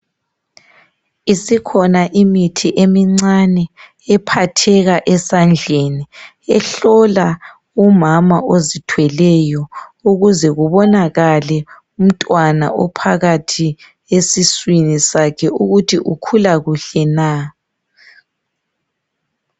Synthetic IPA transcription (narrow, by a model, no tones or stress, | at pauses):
isikʰɔnaʔimitʰiʔemiŋ͡ǀanɛ | ɛpʰatʰɛɣaʔɛsand͡ɮʱeni | ɛɬɔla | umamaʔozitʰwɛlɛjɔuɣuzɛɣuβɔnaɣalɛ | um̩tʼwana̰ʔɔpʰaɣatʰi | esiswinisakʰɛuɣutʰiʔukʰulaɣuɬɛna